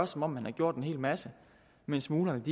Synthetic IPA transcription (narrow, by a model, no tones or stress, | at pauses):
ɐsɒ̽mɒ̽m̰ːænhɑ̈ɡ̥jo̝̰ɐ̰d̥enɦe̝̰ːlmæsə | mensmuːlɐed̥i